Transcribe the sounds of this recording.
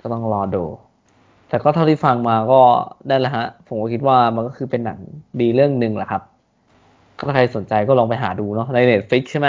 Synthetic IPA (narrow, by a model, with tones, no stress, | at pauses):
kɔː˥˩t̪ɔ˥˩ŋlɔː˧doː˧˩ | t̪ɛː˨˩kɔː˥˩t̪ʰa˥˩t̪ʰiː˥˩fa˧ŋmaː˧kɔː˥˩daː˥˩jla˦˥ɦa˦˥ʔpʰo˨˩˦kɔː˥˩kʰi˦˥t̪̚waː˥˩ma˧nkɔː˥˩kʰɯː˧pe˧nːa˩˦ŋdiː˧ɾɯ˥˩əŋnɯ˧ŋla˨˩kʰa˦˥p̚ | kɔː˥˩t̪ʰa˥˩a˧jso˨˩˦nt͡ɕa˧jkɔː˥˩lɔː˧ŋpa˧jɦaː˩˦duː˧nɔ˦˥na˧jneː˦˩t̪̚fi˦˥k̚t͡ɕʰjma˦˥